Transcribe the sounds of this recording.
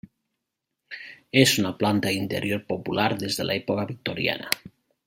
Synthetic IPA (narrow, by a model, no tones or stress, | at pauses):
esunaplant̪aint̪ḛɾʔjoɾpopulaɾðezðela̰epokaβik̚t̪oɾja̰na̰